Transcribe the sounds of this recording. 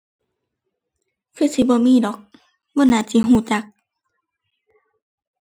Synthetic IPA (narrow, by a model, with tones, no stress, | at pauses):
kʰɯː˧˩˨si˧˦bɔː˧˦miː˧˥˨dɔː˨˦k̚ | bɔː˧˨naː˧˨si˧˦ɦuː˧˩˨t͡ɕa˧˦k̚